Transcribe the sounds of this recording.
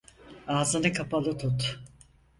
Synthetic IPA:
aːzɯnɯkʰapalˠɯt̪ʰut̪

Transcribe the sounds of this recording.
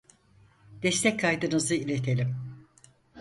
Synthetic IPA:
d̪̥ɛst̪ʰɛc̚kʰːajd̪ɯnɯzɯilʲet̪ʰe̞lʲim

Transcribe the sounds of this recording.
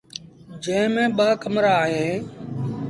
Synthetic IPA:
d͡ʒə̃ːɪmẽːɓaːkəmɾaːɦeː

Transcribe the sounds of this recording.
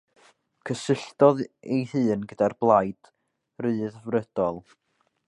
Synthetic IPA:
kʰəsɪɬdɔðejhɨːnɡədarblˠajd̥ | rɨːðvrəd̥ɔlˠ

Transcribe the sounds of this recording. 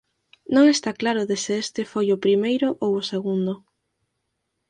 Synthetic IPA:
nõŋest̪aklaɾʊðesɪest̪ɪfojʊpɾimejɾʊʔowʊseɣund̪ʊ

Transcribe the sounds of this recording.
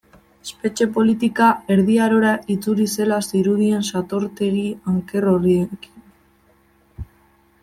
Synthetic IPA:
espe̞t͡ʃe̞po̞lit̪̬ikae̞ɾðiaɾo̞ɾait͡suɾise̞lasiɾuðie̞nsat̪o̞ɾt̪e̞ɣiaŋke̞ro̞rieki̥n

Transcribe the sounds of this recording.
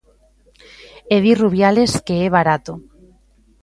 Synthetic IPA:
eðiruβ̞jale̞skeeβ̞aɾat̪o

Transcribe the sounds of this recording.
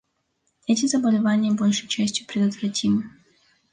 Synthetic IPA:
ɛtʲɪzəbəlʲɪvanʲɪjəbo̞lʲʂɨjt͡ɕæsʲtʲjʊpɾʲɪd̪ət̪vɾɐtʲʰimɨ

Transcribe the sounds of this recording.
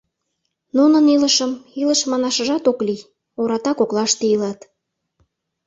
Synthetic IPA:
nunəniləʃəmiləʃmɑnɑʃə̆ʒɑt̪okli | oɾɑt̪ɑkoklɑʃt̪eilɑt̪

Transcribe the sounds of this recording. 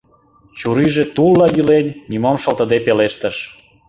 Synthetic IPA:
t͡ɕuɾiʒet̪ulːɑjylenʲːimɑmʃə̆lt̪ə̆d̪epeleʃt̪əʃ

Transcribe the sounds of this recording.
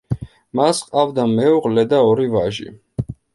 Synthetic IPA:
masqʼavd̪amɛuʁlɛd̪aɔɾivaʒḭ

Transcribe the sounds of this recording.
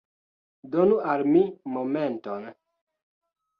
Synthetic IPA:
donualmimomenton

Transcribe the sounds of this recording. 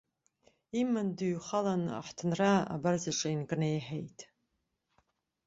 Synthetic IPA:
imɨndɨɥχalana̰ħtʰɨnraa̰barzaʈ͡ʂʼainkʼnejħejtʼ

